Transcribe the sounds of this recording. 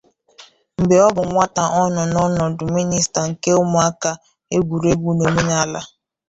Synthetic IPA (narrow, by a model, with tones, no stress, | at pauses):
m̩˨bɪ˨ɔ˦bʊ˨ŋʷa˦ta˨ʔɔ˦nɔ˨nɔ˦nɔ˨dʊ˨mi˦ni˦sta˨ŋ̩˨ke˦ʊ˦mʊ˨a˦ka˦ | e˦ɡʷu˨ɾe˦ɡu˦no˨me˦n˦a˦la˦